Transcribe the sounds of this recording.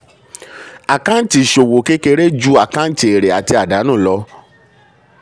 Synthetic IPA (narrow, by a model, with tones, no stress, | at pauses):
a˨kã˦n̩˦ti˨ʃo˨wo˨ke˦ke˧ɾe˦d͡ʒu˦a˦˨kã˦n̩˦ti˨e˨ɾe˨a˨ti˧a˨da˨˦nũː˦˨lɔ˧˦